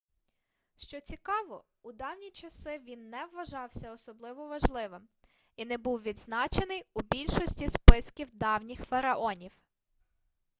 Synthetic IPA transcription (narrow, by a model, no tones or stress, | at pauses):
ʃt͡ʃɔt͡sʲikɑʋɔ | ʊd̪ɑwnʲit͡ʃɐsɪʋʲinːɛʋːɐʒɑwsʲɐɔsɔblˠɪʋɔʋɐʒlˠɪʋɪm | inɛbuwʋʲid̪znɑt͡ʃenɪjʊbʲilʲʃɔsʲtʲispɪskʲiwd̪ɑwnʲixfɐɾɐʔɔnʲiw